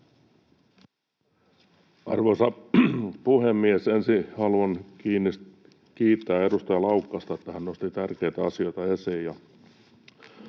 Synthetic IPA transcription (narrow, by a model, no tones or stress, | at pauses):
ʔɑ̰rʋosɑ | puhemːiesensihɑluɑnkiːnːis | kiːt̪ːæːe̞dust̪ɑjɑlɑukːɑst̪ɑet̪ːæhænnost̪it̪ærkejt̪æɑsio̞jt̪ɑesijjɑ